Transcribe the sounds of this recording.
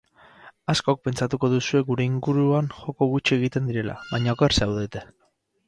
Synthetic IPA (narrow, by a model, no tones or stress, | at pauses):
asko̞k̚pe̞nt͡sat̪uko̞ð̞usue̞ɡuɾe̞iŋɡuɾuanxo̞ko̞ɣut͡ʃie̞ɣ̞it̪e̞nd̪iɾe̞la̰βajɲaokeɾsawðet̪e